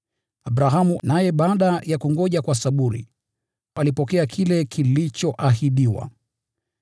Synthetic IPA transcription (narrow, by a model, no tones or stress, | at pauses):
abɾaɦamunajɛɓaːɗajakuŋɡɔʄakwasaɓuɾḭ | alipɔkɛakʰilɛkʰilit͡ʃɔʔahiɗiwa̰